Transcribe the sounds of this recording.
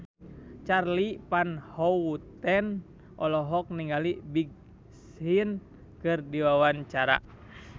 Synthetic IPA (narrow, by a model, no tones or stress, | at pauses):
t͡ʃarlipanhɔwut̪ɛn | ʔɔlɔɦɔk̚niŋalibiɡ̚ | sin | kɨrdiwawaɲt͡ʃaɾa̰